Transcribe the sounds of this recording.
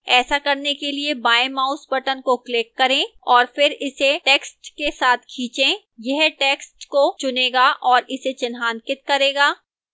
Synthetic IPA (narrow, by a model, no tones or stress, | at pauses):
ɛːsakɐɾnekeliebaːjemaːʊsbɐʈənkoklɪkːɐɾẽːɔːɾfɪɾɪseʈeːksʈkesaːt̪ʰkʰiːt͡ʃẽ | jɛɦʈeːksʈkot͡ʃʊneːɡaʔɔːɾɪset͡ʃɪnɦaːnkɪt̪̚kɐɾeːɡaː